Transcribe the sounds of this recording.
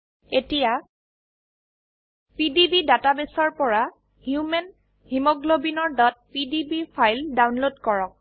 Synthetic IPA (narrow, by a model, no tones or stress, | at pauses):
etija | pidibidatabesɔɹpɔɹa | hjumɛn | himɔɡlobinɔɹdɔt̚pidibipʰajldawnlodkɔɹɔk̚